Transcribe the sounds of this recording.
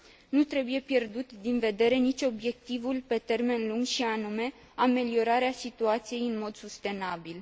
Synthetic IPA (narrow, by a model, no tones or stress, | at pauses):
nut̪ɾe̞buje̞pje̞rd̪ut̪d̪inve̞d̪e̞ɾe̞nit͡ʃʲo̞bje̞k̚t̪ivulpe̞t̪e̞rme̞nluŋɡʃianume̞ | ame̞lio̞ɾaɾeasit̪uat̪sije̞jɨnmo̞d̪sust̪e̞nabil